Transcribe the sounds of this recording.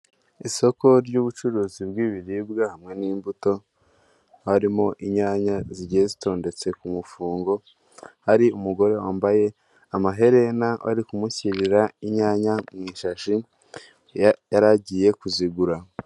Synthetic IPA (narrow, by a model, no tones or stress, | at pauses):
iso̞ko̞ɾɟuːβut͡ʃuɾuːzib̚ɡiːβiɾibɡahamŋe̞niːmbuto̞ | haɾimo̞ʔiɲaːɲaziɟijezito̞ːnde̞t͡se̞kumufuːŋɡo̞ | haɾiumuɡo̞ɾe̞waːmbaje̞ | amaɦe̞ɾe̞nawa̰ɾikumuçiɾiɾaiɲaːɲamŋiːʃaʃi | jaɾaɟije̞kuziɡuɾa